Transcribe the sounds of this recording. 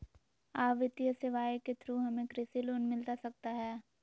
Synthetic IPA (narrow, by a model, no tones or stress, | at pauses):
aːʋɪt̪jəseʋaːjket̪ʰɾuɦɐmẽkɾɪsiloːnmɪlt̪asɐk̚t̪aɦɛː